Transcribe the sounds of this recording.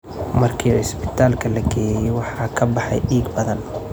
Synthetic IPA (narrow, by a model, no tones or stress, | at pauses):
mɐrkʰiːɐ̰ɪsbɪ̥t̪ʰaːlkʰɐlɐɡʰɛːjɛjɛjwɑħɑːkʰɐbɑħɑ̰jɖiːɡbɐðɐn